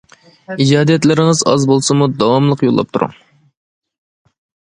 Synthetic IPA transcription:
id͡ʒɑːd̪ijɛt̪lɪɾɪŋɨzɑzbolˠsɨmud̪ɑwɑmlˠəqjolˠːɑ̰p̚t̪ʰuɾṵŋ

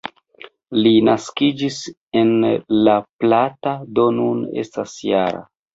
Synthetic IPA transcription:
linaskid͡ʒis | e̞nlaplatado̞nunḛstasjaɾa̰

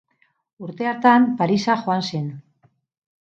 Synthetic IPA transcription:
uɾt̪e̞aɾt̪ampaɾisaxo̞anse̞n

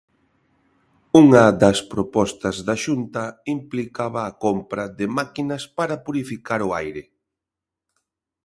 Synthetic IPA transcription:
uŋɐðɐspɾopɔst̪ɐzðɐʃunt̪ɐimplikaβɐːkompɾɐðɪmakinɐspaɾɐpuɾifikaɾʊajɾɪ

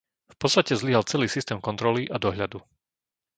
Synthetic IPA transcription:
fpɔt̪t͡sst̪acɛzliɦalt͡sɛliːsist̪ɛːmkɔnt̪ɾɔliʔad̪ɔɦʎad̪u

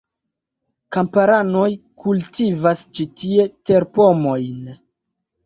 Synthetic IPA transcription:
kampaɾano̞jkultivast͡ʃitie̞te̞ɾpo̞mo̞jn

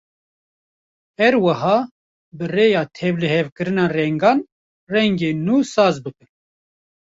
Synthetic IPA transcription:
hɛɾwɨhɑː | bɨreːjɑːt̪ʰɛvlɨhɛvkɨɾɨnɑːrɛŋɡɑːn | rɛŋɡeːnuːsɑːzbɨkɨn

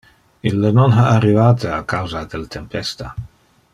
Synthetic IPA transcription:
ilːənonɦaarːivaːt̪eakawzad̪elt̪ʰempɛst̪a

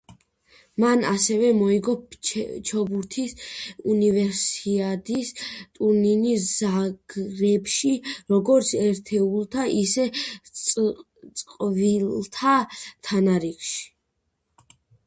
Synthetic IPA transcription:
manasɛvɛmɔiɡɔpt͡ʃʰɔbuɾt̪ʰisunivɛɾsiad̪ist̪ʼuninisz̥aɡ̥ɾɛbʃiɾɔɡɔɾt̪sʰɛɾt̪ʰɛulˠt̪ʰaʔisɛ | t̪sʼqʼvilt̪ʰat̪ʰanaɾikʃi̥

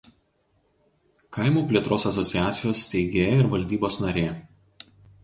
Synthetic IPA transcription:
kɐˑɪmuːpʲlʲeɛt̪ɾoːsɐsɔt̪sʲɪjæːt̪sʲɪjoːsːʲt̪ʲɛɪɡʲeːjɪɾʋɐlʲd̪ʲiːboːsnɐɾʲeː

